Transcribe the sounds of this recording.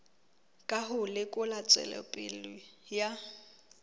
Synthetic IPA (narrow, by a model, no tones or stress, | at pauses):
kʼaɦʊlɪkʼʊlat͡sʼwɛ̰lɛ̰pʼɪlʊja